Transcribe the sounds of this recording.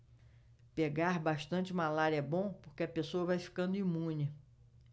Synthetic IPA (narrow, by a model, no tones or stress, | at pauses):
peɡaɾbaʃt̪ɐ̃t͡ʃɪũmalaɾiɐbõpoɾkeɐpesoɐvajfi̥kɐ̃nd̪ʊimũnɪ